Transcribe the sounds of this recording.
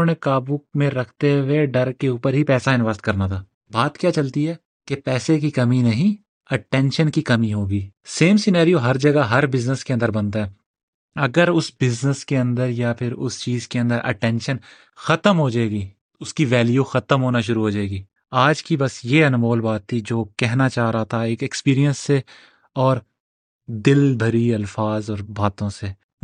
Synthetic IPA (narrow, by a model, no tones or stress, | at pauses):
õːnekaːbumẽɾɐkʰt̪eweɖɐɾkeuːpəɾɦipɛːsaɪnʋaːst̪kɐɾnat̪ʰaː | baːt̪kjaːt͡ʃɐlt̪iɦɛː | kepɛːsek̬ikɐminɐɦĩ | ɐʈɛ̃ːnʃənkikɐmiɦoːɡiːseːmsɪnaːɾijoɦɐɾd͡ʒɐɡaɦɐɾbɪznəskeɐ̃nd̪əɾbɐnt̪aɦɛː | ɐɡəɾʊsbɪznəskeɐ̃nd̪əɾjapʰɪɾʊst͡ʃiːzkeɐ̃nd̪əɾʔɐ̰ʈɛ̃ːnʃən | xɐt̪əmɦoːd͡ʒaːeːɡiː | ʊskiʋɛːljuxɐt̪əmɦoːnaʃʊɾuɦoːd͡ʒaːeːɡiː | aːd͡ʒkibɐsjeɐnmoːlbaːt̪ʰːid͡ʒoːkɛɦnat͡ʃaːɦɾaɦat̪ʰaeːkekspiːɾijə̃nsːe | ɔːɾ | d̪ɪlbʱɐɾiɐlfaːzɔːɾbaːt̪õse